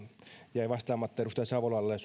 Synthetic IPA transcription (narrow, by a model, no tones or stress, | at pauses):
jæiʋɑst̪ɑːmɑt̪ːeˑɾust̪ɑsɑʋoloɑlːes